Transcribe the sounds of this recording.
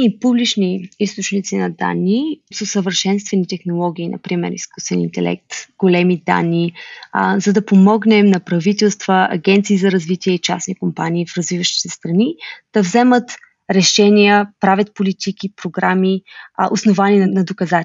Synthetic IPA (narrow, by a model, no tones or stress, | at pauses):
ipublit͡ʃniist̪ot͡ʃnit̪sinɐd̪a̰nːisosəvəɾʃɛnst̪vɛnit̪ɛxnolˠɔɡʲiːnɐ̰pɾimɛ̰ɾḭsku̥st̪vɛnḭnt̪ɛ̰lɛ̰k̚t̪ɡ̥olɛmid̪a̰nːi | zɐd̪ɐpomɔɡnɛmnɐpɾɐvit̪ɛlˠst̪v̥əɐ̰ɡʲɛnt̪siːzɐɾɐzvit̪iɛit͡ʃasnikompaniːfɾɐzvivəʃt̪i̥t̪ɛst̪ɾɐnid̪̥ɐvzɛmət̪ | ɾɛʃɛniəpɾavʲət̪̚polit̪ikipɾoɡɾamiʔosnovaninɐnɐd̪okɐza